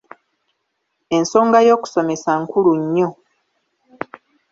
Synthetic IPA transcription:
e̞nso̞ːŋɡajo̞ːku̥so̞me̞saŋkuluɲːo̞

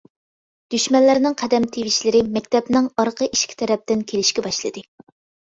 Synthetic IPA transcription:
d̪̥yʃmɛnlːɪɾnɪŋqʰɛd̪ɛmt̪ʰeviʃlɪɾɪmɛkʲt̪ʰɛpnɪŋɑɾqʰəʔiʃkʲʰi̥t̪ʰɛɾɛp̚t̪ɪnkʲʰelɪʃkʲɛbɑʃlˠɨd̪ɨ

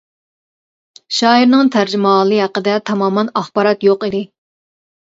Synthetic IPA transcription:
ʃɑːiɾnɨŋt̪ʰæɾd͡ʒɪmɑlˠɨɦæqəd̪ɛt̪ʰɑmɑːmɑnɑχbɑːɾɑt̪joqid̪ɪ

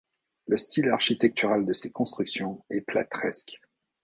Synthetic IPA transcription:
ləst̪ilaʁʃit̪ɛk̚t̪yʁald̪əsekɔ̃st̪χyksjɔ̃ɛpla̰t̪χɛsk

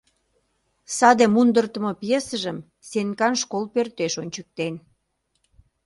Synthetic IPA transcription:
sɑd̪emund̪ərt̪ə̆mɤpjesəʒəm | senkɑnʃkolpørt̪eʃonʲt͡ɕək̚t̪en

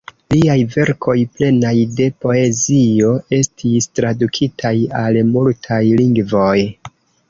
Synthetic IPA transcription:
liajve̞ɾkʰo̞jple̞najde̞po̞e̞zio̞e̞stʰistɾadukʰitʰajalmultʰajliŋɡvo̞j

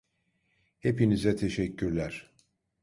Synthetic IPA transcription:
hepinizɛt̪ʰe̞ʃɛcʰːyɾlʲæɾ̥

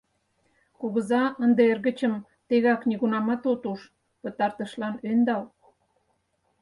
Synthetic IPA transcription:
kuɣəzɑənd̪eerɣə̆t͡ɕəm | t̪eɣɑkniɣunɑmɑt̪ot̪uʃ | pə̆t̪ɑrt̪əʃlɑnønd̪ɑl

